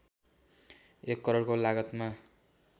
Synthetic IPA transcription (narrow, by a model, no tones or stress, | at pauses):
ekːʌɾorkolaɡʌt̪ma